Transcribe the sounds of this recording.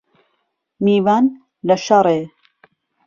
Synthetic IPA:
miːvaːn | lɐʃɐɾˤe

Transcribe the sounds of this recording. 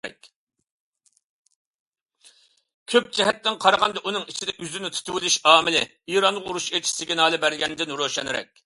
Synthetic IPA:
ɛ̰kʲ | kʲʰøp̚d͡ʒɛɦɛt̪ːɪnqʰɑɾɑʁɑnd̪ɑʔunɨŋit͡ʃʰid̪ɛʔyzynɪt̪ʰu̥t̪ʰuwɪlyʃɑːmɪlɪ | iːɾɑnˠəʁuɾuʃet͡ʃʰi̥sɪɡʲɛnɑːlˠɨbæɾɡʲɛnd̪ɪnɾoʃɛ̰nɪɾɛ̰kʲ

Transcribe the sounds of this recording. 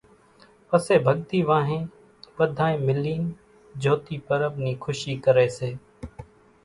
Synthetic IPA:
pəseːbʱəɠt̪iːʋãːɦẽː | ʋəd̪ʱaːẽːmɪliːn | d͡ʒʱoːt̪iːpəɾəbniːkʰʊʃiːkəɾeːseː

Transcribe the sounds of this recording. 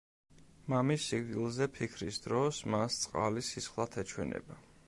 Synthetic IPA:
mamisːiɡɡilˠzɛpʰikʰɾisd̪ɾɔsmast̪sʼqʼa̰lisisχlˠat̪ʰɛt͡ʃʰwɛ̰nɛ̰ba

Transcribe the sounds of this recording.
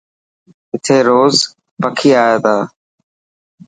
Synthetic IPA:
ɪt̪ʰeːɾoːz | pəkʰiːaːeːd̪aː

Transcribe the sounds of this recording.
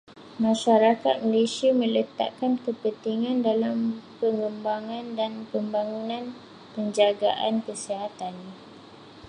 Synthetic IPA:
mãʃaɾaka̰t̪̚malesiamə̃lət̪a̰ʔkankəpənt̪iŋãndalampəŋɡəmbaŋãndanpəmbaŋunãn | pəɲd͡ʒaɡa̰ʔa̰nkəsiɦat̪an

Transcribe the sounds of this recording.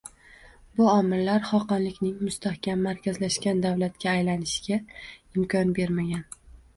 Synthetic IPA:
bʊɒmɪlːaɾχɒqɑnlɪkʲnɪŋmʊst̪ahkʲamːaɾkʲʰazlaʃkʲand̪avlat̪kʲaːjlanɪʃɪ̥ɡʲaɪmkʲʰɒnbe̞ɾmaɡʲan

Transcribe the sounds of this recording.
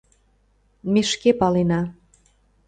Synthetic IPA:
meʃkepɑlenɑ

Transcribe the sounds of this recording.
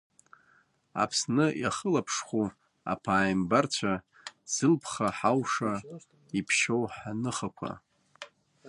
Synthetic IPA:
a̰pʰsnɨjaχəlapʰʂχʷu | a̰pʰaːjmbart͡ɕʷʰa | z̥ɨlpʰχaħawʂa | ipʰʃo̞wħanɨχakʷʰa̰

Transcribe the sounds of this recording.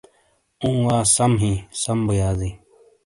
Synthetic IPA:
ũːwaːsɐmɦĩːsɐmbəjaːziː

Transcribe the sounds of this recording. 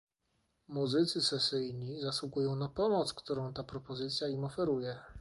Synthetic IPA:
muzɘt̪sɘsɛsɘjɲizaswuɡujɔ̃w̃napɔmɔt̪skt̪uɾɔ̃w̃t̪apɾɔpɔzɘt̪sʲjaimɔfɛɾujɛ

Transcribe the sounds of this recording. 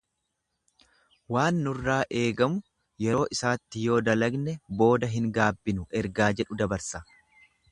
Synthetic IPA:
waːnːʊrːaːʔe̞ːɡɐmʊ | jɛɾo̞ːʔɪsaːt̪ːɪjo̞ːd̪ɐlɐɡnɛbo̞ːd̪ɐɦɪŋɡaːbːɪnʊʔɛɾɡaːd͡ʒɛᶑʊd̪ɐbɐɾsɐ

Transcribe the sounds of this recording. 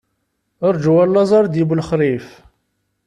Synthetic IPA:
əɾˤd͡ʒwælːɑzˤɑɾˤd̪ibulχɾˤif

